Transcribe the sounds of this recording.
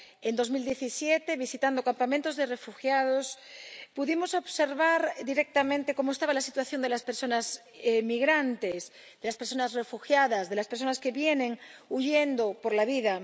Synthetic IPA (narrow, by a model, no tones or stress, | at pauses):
end̪o̞zmild̪je̞θisjet̪eβisit̪and̪okampamẽnt̪o̞zðere̞fuxjaðospuðimo̞so̞βseɾβaɾd̪iɾek̚t̪amẽnt̪eko̞moest̪aβalasit̪waθjo̞nd̪elaspeɾso̞naz | emiɣɾant̪es | ðelaspeɾso̞nasrefuxjaðazðe̞laspeɾs̬o̞naske̞βjenẽŋuʝend̪opoɾlaβiða